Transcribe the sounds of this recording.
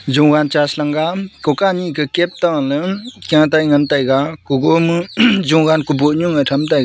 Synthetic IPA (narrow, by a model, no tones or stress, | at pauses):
zuŋɡant͡ʃaslaŋɡakɔkanikɯkep̚taŋalɯkjãŋtajŋɐntajɡakuɡomɯzuŋɡankuboɲuŋɯtʰɐmtajɡ